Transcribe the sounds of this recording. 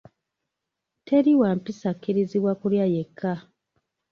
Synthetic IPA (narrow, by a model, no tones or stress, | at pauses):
tʰe̞ɾiwaːmpisakːiɾiziβwakuljajekʰːa